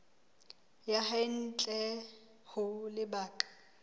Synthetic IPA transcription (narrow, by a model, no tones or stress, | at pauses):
jahaɪn̩t͡ɬʼɛ | hʊlɪbaːkʼḁ